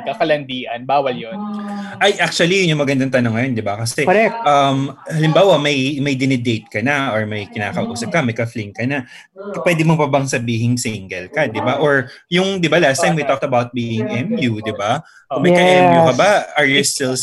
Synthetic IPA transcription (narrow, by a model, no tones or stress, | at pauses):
kakɐlɐnd̪iːʔɐnbaːwɐljonʔɐjʔak̚t͡ʃuɐlijʊjʊŋmɐɡɐnd̪aŋt̪ɐnoŋːɐjo̞nd̪ɪbakɐsɛɛʔɐmhɐlɪmbaːwɐmɐjmɐjd̪ɪnɛd̪ejt̪̚kɐnɐʔoɹmɐjkɪnaːkɐʔʊʔuːsɐb̚kɐmɐjkɐfliŋkɐnɐ | pwɛːd̪ɪmopɐbɐŋsɐbiːɦɪŋsɪŋɡɛlkɐd̪ɪbaʔoɹjʊŋd̪ɪbalat̪st̪aj̃mwit̪ɔk̚t̪ɐbawt̪̚biːɪŋʔɛmjud̪ɪba | kʊmɐjjkɐʔɛmjukɐbaɐɹjʊst̪ɪl